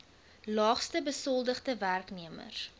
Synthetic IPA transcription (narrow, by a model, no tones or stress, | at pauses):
lɑːχstəbəsɔlˠdəχtəværkniəmə̰r